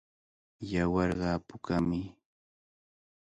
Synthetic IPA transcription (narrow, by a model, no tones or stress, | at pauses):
jawɑɾɢɑːpʊkamɪ